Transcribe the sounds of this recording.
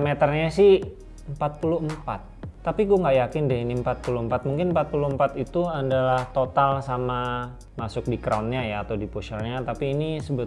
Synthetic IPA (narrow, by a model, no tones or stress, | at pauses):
met̪ərɲasɪh | əmpat̪̚puluɦəmpa̰t̪ːapiɡuaŋɡaʔjakɪndɛiniəmpat̪̚puluəmpat̪̚muŋkɪnmpat̪̚puluhəmpat̪it̪uadalaht̪ot̪alsama | masʊk̚dikɾaunɲajaːt̪awdipuʃərɲat̪apiːnisəbət̪